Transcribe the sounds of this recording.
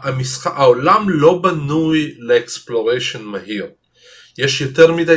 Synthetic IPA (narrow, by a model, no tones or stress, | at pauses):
amisχaʔaolamlo̞banujleeksploʁejʃonmaɦiʁ | jeʃjoteʁmida